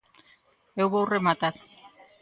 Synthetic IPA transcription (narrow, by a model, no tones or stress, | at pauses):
ewβawremat̪at̪